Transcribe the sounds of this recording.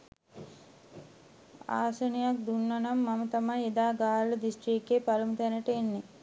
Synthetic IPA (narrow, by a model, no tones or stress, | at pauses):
a̰ːsənijak̚d̪unːɐnamːamɐt̪ɐmajed̪aːɡaːɾləd̪isʈɾikːepaɾumit̪ɛnəʈəenːe